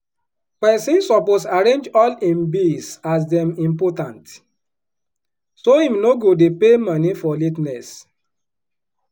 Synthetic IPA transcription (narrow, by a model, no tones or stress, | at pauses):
pɛsĩnsɔposaɾẽnd͡ʒɔlĩnbisas̬dɛ̃mĩmpɔtãnt | soĩmnoɡodepemãnifɔlitnɛs